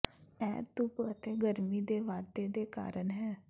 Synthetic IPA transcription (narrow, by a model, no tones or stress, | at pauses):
ɛ̰ːt̪ʊpət̪eːɡəɾmiːd̪eːʋaːd̪eːd̪eːka̰ːɾənɦɛː